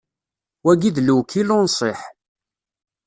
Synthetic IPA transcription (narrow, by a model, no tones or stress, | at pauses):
wæɡiðluwkʰilʊnsˤɪħ